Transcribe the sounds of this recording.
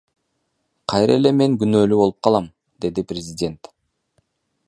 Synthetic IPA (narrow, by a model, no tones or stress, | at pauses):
qʰɑjɾele̞me̞ŋɡynøːlyβo̞lˠup̚qʰɑlˠɑm | d̪e̞d̪iprʲɪzʲɪdʲe̞nt̪